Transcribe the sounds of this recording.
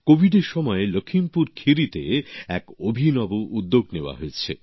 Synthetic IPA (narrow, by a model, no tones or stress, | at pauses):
kobʱiɖeɾʃɔmɔelokʰimpuɾkʰiɾit̪ḛɛkobʱinɔboʔud̪ːoɡneoa̰ɦoet͡ɕʰḛ